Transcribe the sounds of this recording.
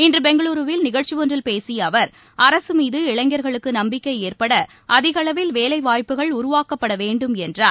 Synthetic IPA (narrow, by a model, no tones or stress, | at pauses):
ɪndrɯbɛŋɡɐɭuːɾɯʋɪlnɪɣɐɻt͡ʃiʋɔndrɪlpeːsiɐʋɐɾ | ɐɾɐsɯmiːðɯɪɭɐŋɡɐɾɣɐɭɯkːɯnɐmbɪkːɐɪeːrpɐɽɐ | ʔɐðɪɣɐɭɐʋɪlʋeːlɐɪʋaːjpːɯɣɐɭʊɾʊʋaːkɐpːɐɽɐʋeːɳɖɯmɛndraː